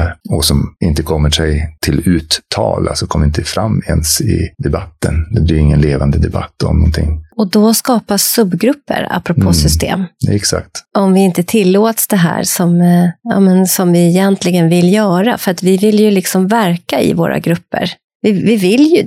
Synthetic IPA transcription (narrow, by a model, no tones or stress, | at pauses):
ɔsɔmɪnt̪əkʰɔmːəʂɛjt̪ʰɪlʉ̟ːt̪ʰːɑːla̰sɔkʰɔmːəɾɪnt̪əfɾamːɛnsɪ̰d̪ɛbat̪ːənd̪ɛb̪ɪɪŋːənleːvand̪əd̪ɛba̰t̪ʰːɔ̰mnɔnt̪ʰɪ̰ŋːɔd̪ɔskɑːpasːɵbːɡɾɵpːə̰ɾa̰pːɾɔpʰoːsʏst̪ḛːmɛksa̰kt̪ʔɔmvɪɪnt̪ət̪ʰɪlːoːt̪sd̪ɛɦæ̰ːɾsɔmɑ̰mɛnsɔmvɪɪjɛnt̪ʰlɪɡənvɪljœːɾa̰fœɾat̪vɪvɪlːjɵlɪksɔmvæɾkaɪ̰vo̰ːɾʔa̰ɡɾɵpːə̰ɾ | vɪvɪvɪlːjɵ